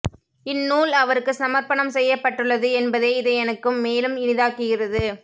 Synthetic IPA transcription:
ɪnːuːlɐʋɐɾɯkːɯsɐmɐɾpɐɳɐmsɛjːɐpːɐʈːɯɭːɐðɯɛnbɐðeːɪðɐɛnɐkːɯmːeːlɯmɪnɪðaːkɯɣɪrɐðɯ

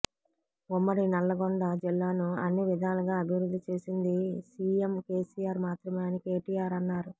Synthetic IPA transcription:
umːɐɽinɐlːɐɡoɳd̪ɐd͡ʒilːaːnuɐnːiʋid̪ʱɐnaːluɡaːɐbʱiʋɾud̪ʱːit͡ʃe̞ːsind̪isiːemkeːsijaːɾmaːt̪ɾɐmeːnike̞ːʈiːjaːɾɐnːaːɾu

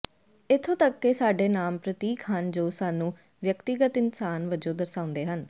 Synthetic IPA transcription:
ɪt̪ʰːõːt̪əkːeːsaːɖeːnaːmpɾət̪iːkɦənd͡ʒoːsaːnũː | ʋjəkt̪ɪɡət̪ɪnsaːnʋəd͡ʒõːd̪əɾsaːʊ̃nd̪eːɦən

